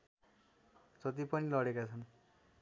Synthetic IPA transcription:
d͡zʌt̪ipʌnilʌɽekat͡sʰʌn

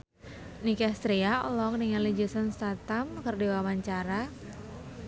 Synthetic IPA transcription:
nikast̪ɾiaɔlɔk̚niŋalid͡ʒəsənst̪at̪amkɨrdiwamaɲt͡ʃaɾa

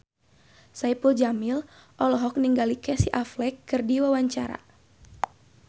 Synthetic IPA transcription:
saipuld͡ʒamil | ʔɔlɔɦɔk̚niŋɡalikɛsiʔaflɛkːɨrdiwawaɲt͡ʃaɾa̰

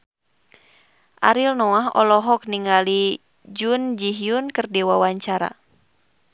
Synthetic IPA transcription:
ʔa̰ɾilnɔaɦɔ̰lɔɦɔk̚niŋali | d͡ʒund͡ʒiɦjunkɨrdiwawaɲt͡ʃaɾa̰

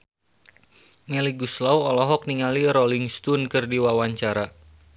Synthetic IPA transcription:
mɛliɡuslawɔlɔɦɔk̚niŋaliɾɔliŋst̪unkɨrdiwawaɲt͡ʃaɾa

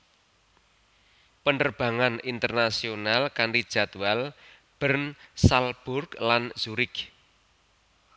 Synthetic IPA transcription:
pəndərb̥a̤ŋanint̪ərnasionalkanɾid̥ʒ̥a̤t̪uwal | b̥ərnsalb̥ʊrklanz̥uɾɪk

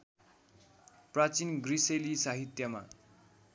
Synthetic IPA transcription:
prat͡sinɡriselisaɦit̪jʌma̰

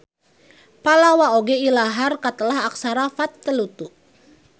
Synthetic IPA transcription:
palawaoɡɛilaɦarkat̪əlaɦak̚saɾafat̪ːəlut̪uʔ

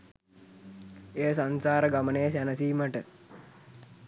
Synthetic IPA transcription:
ejəsansaːɾəɡamənejəs̬ænəsiːməʈə

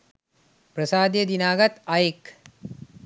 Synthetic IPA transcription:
prəsaːd̪jəd̪inaːɡɐt̪ɐjek

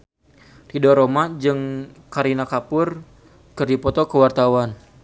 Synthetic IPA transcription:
ridɔɾomad͡ʒɨŋkaɾinakapʊr | kɨrdipɔt̪ɔkəwart̪awan

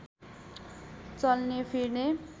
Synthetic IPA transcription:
t͡sʌlnepʰirne

